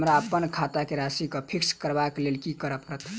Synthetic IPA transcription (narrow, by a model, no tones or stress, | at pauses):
mɾaəpːənkʰat̪akeɾasikəpʰikskəɾbaklelkikəɾəpɾət̪ʰ